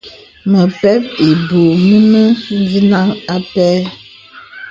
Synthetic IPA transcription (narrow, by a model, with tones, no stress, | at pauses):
mə˨pɛ˦p̚e˨bo˨mə˦mə˦n˦zi˦na˦ŋa˦pɛ˦